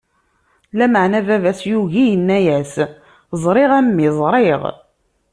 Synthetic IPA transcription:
læməʕnævævæsjuʝijənːæjæs | zˤɾˤɪʁæmːizˤɾˤeʁ

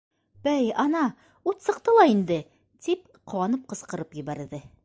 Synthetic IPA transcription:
bæjɑnɑ | ut̪sɤ̆q̚t̪ɤlˠɑind̪ɘ | t̪ip | qʰŏwɑnɤp̚qɤ̆sqɤ̆ɾɤpjɘ̆βæɾðɘ

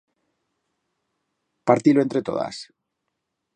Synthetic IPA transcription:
paɾt̪iloe̞nt̪ɾe̞t̪o̞̰ða̰s

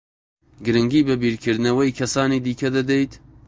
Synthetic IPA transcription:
ɡɨɾɨŋɡiːbɐbiːɾkʰɨɾd̪ɨnɐwɐjkʰɐsaːniːd̪iːkʰɐd̪ɐd̪ejt̪

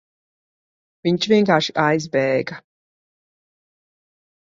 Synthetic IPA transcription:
viɲt͡ʃvʲiɛŋkaːɾʃiʔajzbɛːɡa

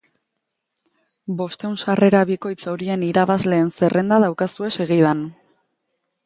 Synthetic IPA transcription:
bo̞st̪e̞wnsare̞ɾaβiko̞jt͡saɾie̞niɾaβazle̞ːnse̞rʔe̞nd̪aðawkasue̞se̞ɣið̞an

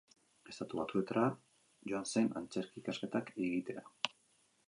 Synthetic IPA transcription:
e̞st̪at̪uβat̪ue̞t̪aɾa | ʝoanse̞na̰nt͡se̞ɾkiːkaske̞t̪akeɣit̪e̞a

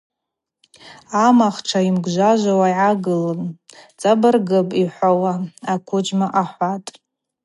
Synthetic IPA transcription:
amaχʈ͡ʂʰaimɡʷʒʷaʒʷawajʕaɡɨlɨmt͡sʼabɨrɡɨpʼiħʷawaakʷʰʊd͡ʒmaʔaħʷatʼ

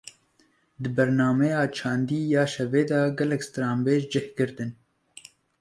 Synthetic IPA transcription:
d̪ɨbɛɾnɑːmɛjɑːt͡ʃʰɑːnd̪iːjɑːʃɛveːd̪ɑɡɛlɛkst̪ɾɑːmbeːʒd͡ʒɪhkɨɾt̪ɨn

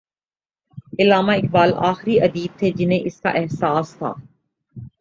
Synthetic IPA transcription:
ɪlaːmaɪk̚baːla̰ːxɾiɐd̪iːb̚t̪ʰed͡ʒɪnɦẽʔɪska̰ʔɛɦsaːst̪ʰa̰ː

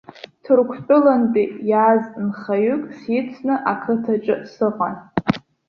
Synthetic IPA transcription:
tʰɨrkʷʰpʲʷʼʊlanpʼijaznχajykʼsit͡sʷʰnɨʔakʰɨtʰat͡ʃʼɨsɨqʷʼan

